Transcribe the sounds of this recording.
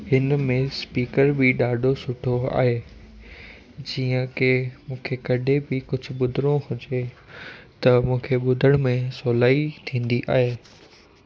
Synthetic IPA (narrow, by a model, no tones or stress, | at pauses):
hɪnmẽspiːkəɾbɪɗaːɖʱosʊʈʰoa̰ːɦeː | d͡ʑiːə̃kemũːkʰekɐɗʱebɪkʊd͡ʑʱʊ̆ɓʊd̪ʱɪɾoɦʊd͡ʑe | t̪ɐmũːkʰeɓʊd̪ʱəɽ̃mẽsoːlaːit̪ʰĩːn̆d̪iʔa̰ːɦeː